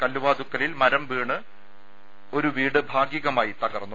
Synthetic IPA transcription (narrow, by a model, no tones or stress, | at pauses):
kɐlːuʋaːd̪ukːɐlilmɐɾɐmbiːɳɨ | o̞ɾuʋiːɽɨbʱaːɡjiɣɐmaːjit̪ɐɣɐrnːu